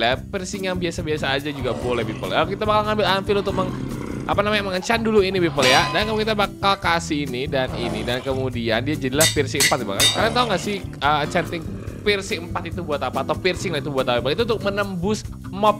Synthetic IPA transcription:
lapirsɪŋjaŋbiasabiasaːd͡ʒad͡ʒuɡabolɛhbipə̰lakit̪abakalŋambɪlanfɪlunt̪ʊk̚məŋʔa̰panamajaŋməŋət͡ʃanduluinibipəljadankamukit̪abakalkasiːnidaninidankəmudiandiad͡ʒadilahpirsiəmpat̪̚bakalkarnat̪auŋɡaʔsɪhət͡ʃant̪ɪŋpirsiəmpat̪it̪ubuat̪apaːt̪awpirsɪŋlahit̪ubuat̪apabipəlit̪unt̪ʊk̚mənəmbʊs | mɔp̚

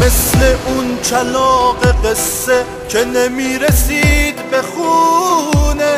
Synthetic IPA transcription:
me̞sle̞ʔunt͡ʃʰalɔːɢeqesːe | cʰenemiːɾesiːd̪beχu | ne

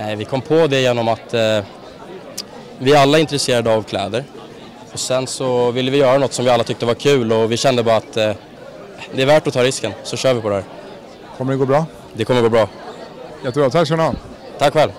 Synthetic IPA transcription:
nɛɪvɪkʰɔmːpʰɔd̪ɛjeːnɔmat̪ | vɪalːaɪnt̪ɾɛseːɾad̪əavkʰlɛ̰ːd̪əɾ | ɔsɛnsɔvɪlːəvɪjœːɾanɔt̪ːsɔmvɪalːat̪ʰʏk̚t̪əvaɾkʰʉ̟ːlɔvɪɕɛnd̪əbɑːɾat̪ː | d̪ɛæɾvæʈɔt̪ʰɑːɾɪskənsɔɕœːɾvɪpʰɔd̪ɛhæːɾ | kʰɔmːəɖɛɡoːbɾɑː | d̪ɛkʰɔməɾɡoːbɾɑːjɛt̪ːəbɾɑːt̪ʰakːʃœɳa | t̪ʰakːfɛlː

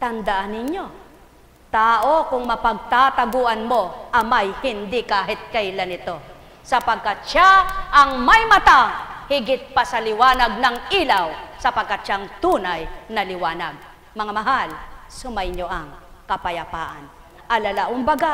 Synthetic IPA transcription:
t̪ɐnd̪aʔanɪɲjo | t̪aːʔo̞kʊŋmɐpɐɡ̚t̪at̪ɐɡuːʔɐnmoʔɐmajhɪnd̪ikaːɦɪt̪̚kɐjlanɪt̪o̞ | sɐpɐɡ̚kat̪̚ʃaʔɐŋmɐjmɐt̪ahɪɡɪt̪̚pasɐlɪwaːnɐɡ̚nɐŋʔiːlawsɐpɐɡ̚kat̪̚ʃaŋt̪uːnajnɐlɪwaːnɐɡ̚ | mɐŋamɐɦalsʊmajɲoʔɐŋkɐpɐjɐpa̰ːʔan | ʔɐlɐlaʔʊŋbɐɡa

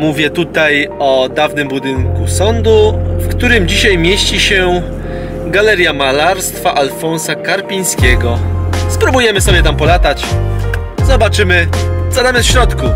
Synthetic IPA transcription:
muvʲjɛt̪ut̪ajɔd̪avnɘmbud̪ɘŋkusɔnd̪ufkt̪uɾɘmd͡ʑiɕajmʲjeɕt͡ɕiɕɛ | ɡalɛɾjamalaɾst̪faʔalfɔnsakaɾpʲiɲ̃skʲɛɡɔspɾubujɛmɘsɔbʲjɛt̪ampɔlat̪at͡ɕ | zɔbat͡ʂɘmɘzad̪amʲɛɕɾɔt̪ku

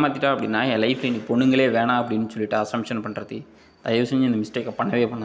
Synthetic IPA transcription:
maːt̪ːɪʈːaːɐpːɐɽɪnːaːjẽːlɐɪflɐnipɔɳːɯŋɡɐɭeːʋeːɳãːɐpːɐɽɪnːɯsɔlːɪʈːɯɐsɐmʂɐnpɐɳːɾɐt̪ːi | t̪ɐjʋɐsɛɲd͡ʒɪnd̪ɐmɪsʈeːkːɐpɐɳːɐʋeːpɐɳːa

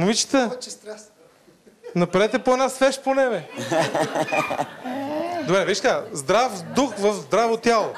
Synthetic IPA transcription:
movit͡ʃi̥t̪ə | nɐpɾɛt̪ɛpoɛnasvɛʃt̪̚ponɛbɛ | d̪obɾɛviiʃt̪kazd̪ɾafd̪uxvəfzd̪ɾavot̪ʲjalˠo

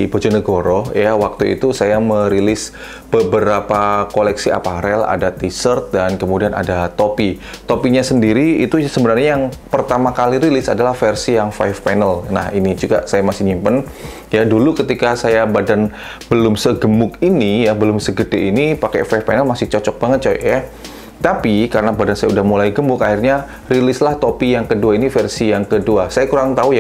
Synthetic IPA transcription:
bod͡ʒɔnəɡoɾojawak̚t̪uḭt̪usajaməɾilɪs | b̥əbəɾapakolɛksia̰paɾɛla̰dat̪isərt̪̚dankəmudianʔa̰dat̪opi | t̪opiɲasəndiɾiːt̪usəbənarɲajaŋpərt̪amakaliɾilɪsadalahfərsijaŋfajfpɛnəlna̰hinid͡ʒuɡa̰sajamasɪhɲimpən | jadulukət̪ikasajabadan | b̥əlʊmsəɡəmʊk̚inijabəlʊmsəɡədeʔinipakɛ̰faifpanəlmasɪht͡ʃɔt͡ʃɔk̚baŋət̪̚t͡ʃa̰ʔja | t̪apikaɾənabadansajaudahmulajɡəmbʊkahirɲa | rilɪslaht̪opijaŋkəduainifərsijaŋkəduasajakuɾaŋt̪auja

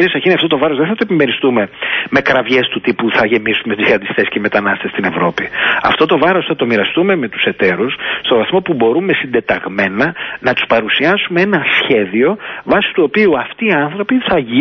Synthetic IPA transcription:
ɾiosɐçiniɐft̪ot̪o̞vɐɾoðenθɐt̪oe̞pimeɾist̪ume̞me̞kɾɐvʝe̞st̪ut̪ipuθɐʝe̞misume̞t̪izɐnd̪ist̪e̞sceme̞t̪ɐnɐst̪est̪ine̞vɾo̞piɐ̰ft̪o̞t̪o̞vɐɾo̞sθɐt̪o̞miɾɐst̪ume̞me̞t̪u̥se̞t̪e̞ɾusst̪ovɐθmo̞pubo̞ɾume̞sind̪e̞t̪ɐɣme̞nɐnɐt̪u̥spɐɾusiɐsumee̞nɐsçe̞ðio̞vɐsi̥t̪uo̞piuɐft̪iːɐnθɾopiθɐʝi

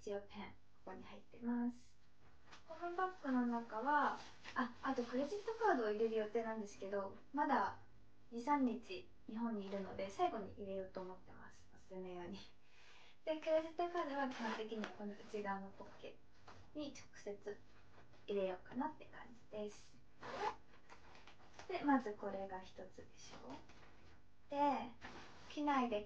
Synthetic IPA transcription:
it͡ɕiopʰẽ̞ŋ | ko̥koɲ̟ihait̪ːe̞masɨ̥ | hoɸɯ̟̃bakːɯ̟no̞nakaβa | aːt̪o̞kɯ̟ɾe̞ʑit̪ːo̞kaːd̪o̞ːiɾe̞ɾɯ̟jo̞t̪ːe̞ːnãnd̪e̞sɨ̥ke̞d̪o̞ | mad̪a | ɲisãɲ̟ːit͡ɕi | ɲ̟iɦõ̞ɲ̟ːiːɾɯ̟no̞̰d̪e̞saiɡo̞ɲ̟ḭʔiɾe̞jo̞ːt̪o̞ːmo̞t̪ːe̞ma̰sɨ̥osɨ̥sɨme̞jo̞ːɲ̟i | d̪̥e̞keɾeset̪ːekad̪aβakʲihõnt̪e̞kʲiɲ̟iβako̞noit͡ɕiɡãnːokokːe̞̰ | ɲ̟it͡ɕo̥kɯ̟̥se̞t͡sɨ | iɾe̞joːkanat̪ːe̞kãɲ̟d͡ʑi̥d̪̥e̞sɨ̥ | d̪̥e̞mazɨko̞ɾe̞ɡaçi̥t̪o̞t͡sɨd̪e̞ɕo̞̰ː | d̪̥e̞ | kʲinaid̪e̞

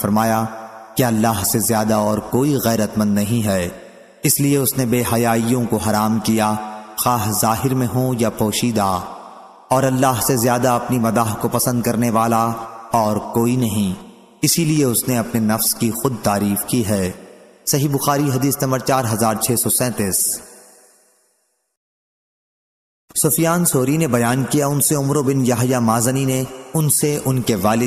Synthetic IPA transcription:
fɐɾmaːjakeɐlːaːɦsezjaːd̪aɔːɾkoːiɣɛːɾət̪mə̃nd̪nɐɦĩɦɛː | ɪslieʊsnebeːɦɐjaːijõkoɦɐɾaːmkijaxaːɦzaːɦɪɾmẽɦõjapɔːʃiːd̪a | ɔːɾɐlːaːɦsezjaːd̪aɐpnimɐd̪aːɦkopɐsə̃nd̪̚kɐɾneʋaːlaɔːɾkoːinɐɦĩ | ɪsilieʊsneɐpnenɐfskixʊd̪̚t̪aːɾiːfkiɦɛː | sɐɦibʊxaːɾiɦɐd̪iːsnɐ̃mbəɾt͡ʃaːɾɦɐzaːɾt͡ʃʰeːsɔːsɛ̃ːt̪ɪːs | sʊfjaːnsoːɾinebɐjaːnkijaʊnseʊmɾobɪnjɐɦjamaːzənineʊnseʔʊnkeʋaːlɪ

